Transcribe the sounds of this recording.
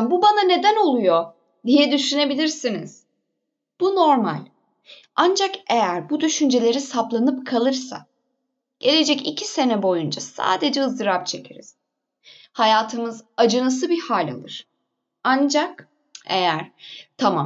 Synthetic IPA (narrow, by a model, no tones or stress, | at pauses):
bubanane̞d̪æno̞lˠujo̞ | d̪ijɛd̪yʃyne̞bilʲiɾsinḭz̥ | b̥uno̞ɾma̰lʲ | and͡ʒakejæɾbud̪yʃynd͡ʒe̞lʲe̞ɾisaplˠanɯpkʰalˠɯɾsa̰ | ɟ̥e̞lʲe̞d͡ʒɛcicʰise̞nɛbo̞jund͡ʒasa̰ːd̪e̞d͡ʒɛɯzd̪ɯɾapt͡ʃʰe̞cʰeɾiz̥ | hajaːt̪ʰɯmɯzad͡ʒɯnas̬ɯbihaːlʲa̰lˠɯɾ̥ | and͡ʒak | e̞jæɾ̥t̪ʰama̰